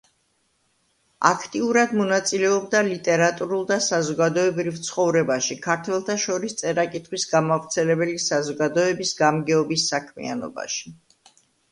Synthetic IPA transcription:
a̰kʰt̪ʼiuɾad̪mɔnat̪sʼilɛɔbd̪alit̪ʼɛɾat̪ʼuɾulˠd̪asazɔɡad̪ɔɛbɾivt̪sʰχɔvɾɛbaʃikʰaɾt̪ʰwɛlˠt̪ʰaʃɔɾist̪sʼɛɾakʼit̪ʰχwisɡamavɾt̪sʰɛlɛbɛlisazɔɡad̪ɔɛbisɡamɡɛɔbisːakʰmḭa̰nɔ̰ba̰ʃi̥

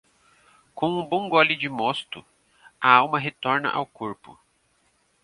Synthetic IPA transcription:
kõw̃ũbõw̃ɡɔlɪd͡ʒɪmɔst̪ʊ | ɐawmɐɦet̪ɔɾnɐ̰ʔa̰wkoɾpʊ

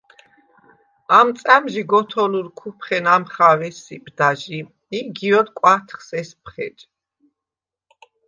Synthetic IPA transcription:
amt̪sʼamʒiɡɔt̪ʰɔluɾkʰupʰχɛnamχavɛsibd̪aʒi | iɡiɔd̪kʼwat̪ʰχsɛspʰχɛt͡ʃʼ

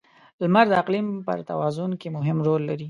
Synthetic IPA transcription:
lmaɾd̪əaqlimpə̰ɾt̪a̰wɑzʊnkemʊɦɪmɾolːaɾi

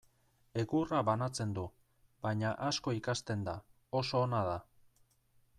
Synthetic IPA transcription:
e̞ɣuraβanat͡se̞nd̪u | baɲaʔasko̞ikast̪e̞nd̪a | o̞so̞ːnaða

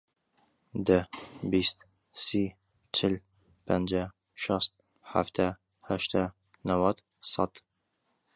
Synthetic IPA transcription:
d̪əbist̪ | si | t͡ʃʰɪl | pʰænd͡ʒa | ʃɑst̪̚ | ħa̰ft̪ʰæ | hæʃt̪æ | navad̪ | sɑ̰t̪

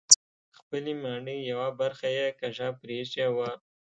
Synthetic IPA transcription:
xpəlemɑɳəjawabaɾxajekaʐɑpɾeʃawa

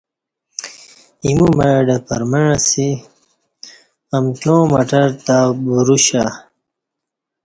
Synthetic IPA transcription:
imumaɖɐpɐ̰ɾmɐɻasi | ɐmtõːmɐʈɐɾt̪abuɾuɕa

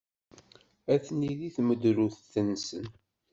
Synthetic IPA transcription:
æθniðiθməd̪ɾuθθənːsən

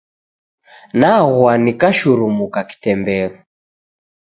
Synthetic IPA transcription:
naɣwanikaʃuɾumukaki̥tɛmbɛlɔ

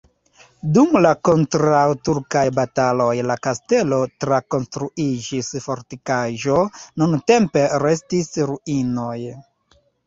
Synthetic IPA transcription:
dumlako̞ntɾawtuɾkajbatalo̞jlakaste̞lo̞tɾako̞nstɾuid͡ʒisfo̞ɾtikaʒo̞nunte̞mpe̞ɾe̞stisɾuino̞j

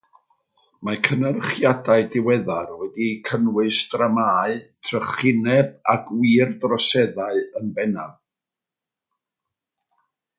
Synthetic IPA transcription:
makʰənərχjadaɨdɪwɛðarwɛdikʰənwɨsd̥ramaːɨtʰrəχɪnɛb̚aɡwiːrdrɔsɛðaɨənbɛnav

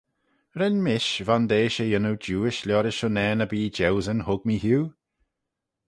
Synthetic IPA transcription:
ɾɛnmɪʃvand̪eːʃəjənuwd͡ʒuːɪʃlʲɔːɾəʃʊnɛːnəbiːd͡ʒɛwzənhʊɡ̚miːɦuː

